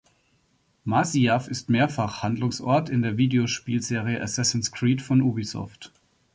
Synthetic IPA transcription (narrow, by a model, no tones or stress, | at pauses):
masiafɪstmeːɐfaχhandlʊŋsʔɔ̰ɐtɪndeːɐviːdeoʃpiːlzeːʁ̞ijəʔasɛsn̩skʁ̥iːtfɔnʔubisɔ̰ft